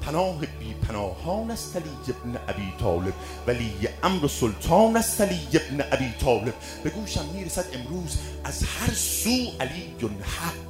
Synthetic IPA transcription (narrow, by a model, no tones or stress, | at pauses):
pʰænɒːɦebiːpʰænɒːhɒːnæst̪æliːjːeb̚neʔæbiːt̪ʰɒ̰ːle̞b̥̚ | væliːjeʔæmɾosolt̪ʰɒːnæst̪æliːjːebneʔæbiːt̪ʰɒːle̞b̥̚ | b̥e̞ɡuːʃæmːiːɾesæd̪e̞mɾuːz | ʔæzhæɾsuːʔæliːjonhæq